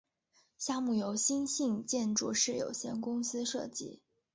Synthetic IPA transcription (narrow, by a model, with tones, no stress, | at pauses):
ɕja˥˧mu˥˩jo˧˥ʊɕi˥nɕi˥˧ŋt͡ɕjɛ˥˧nʈ͡ʂu˥˧ʂɻ̩˥˩jo̰˨˩ʊɕjɛ̰˥˩nkʊ˥ŋsɹ̩˥ʂɤ˥˩t͡ɕḭ˥